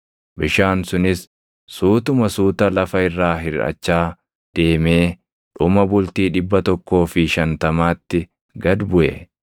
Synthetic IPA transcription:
bɪʃaːnsʊnɪsː | uːt̪ʊmɐsuːt̪ɐlɐfɐɪrːaːɦɪɾɐ̰t͡ʃːaː | d̪̥e̞ːmeː | ᶑʊmɐbʊlt̪iːᶑɪbːɐt̪ɔkːo̞ːfɪʃɐnt̪ɐmaːt̪ːɪ | ɡɐd̪bʊʔḛ

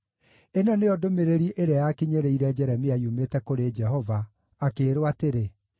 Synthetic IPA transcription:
enɔneɔdomeɾeɾiʔeɾeajakiɲeɾeiɾɛd͡ʒɛɾɛmiaiumetɛkoɾed͡ʒɛɦɔva | akeːɾowateɾe

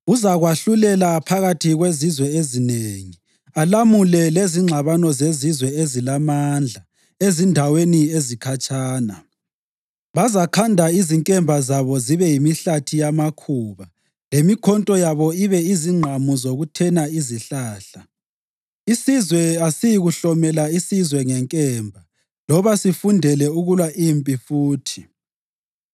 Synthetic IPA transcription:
uzaɣwaɬulɛlapʰaɣatʰiɣwezizwɛezineːŋi | alamulɛleziŋ͡ǁʱaβanɔzezizwɛezilamand͡ɮʱa | ezindʱaweniezikʰat͡ʃʼaːna | βazakʰandʱaiziŋkʼɛmbʱazaβɔziβɛjimiɬatʰijamakʰuːβa | lemikʰɔntʼɔjaβɔiβɛiziŋ͡ǃʱamuzoɣutʰɛnaiziɬaːɬa | isizwɛasijiɣuɬɔmɛlaisizwɛŋɛŋkʼɛːmbʱa | lɔβasifundʱɛlɛuɣulwaʔimpʼifuːtʰi

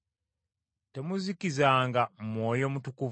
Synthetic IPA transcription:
temuzikizaːŋɡamwo̞ːjo̞mutukuv

